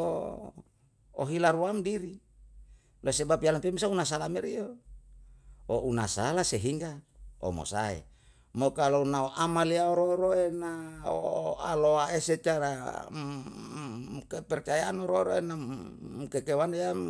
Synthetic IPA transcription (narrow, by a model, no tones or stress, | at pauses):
o̰ | o̰ɦilaɾuamdiɾi | losebapialampemisaunas̬alamɛɾio | oʔunasalaseɦiŋɡao̰mo̰sa̰ḛ | mokalonaoʔamaliaoɾoɾoenao̰a̰loaeset͡ʃaɾa̰ | kepɛrt͡ʃajanoɾoɾoenamukekewaneja